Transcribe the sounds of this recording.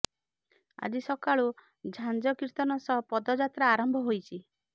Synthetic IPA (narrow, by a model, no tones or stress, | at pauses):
a̰d͡ʒisɔkaɭu | d͡ʒʱand͡ʒɔkiɾt̪ɔnɔsɔpɔd̪ɔd͡ʒat̪ɾaːɾɔmbʱɔɦojt͡ʃʰi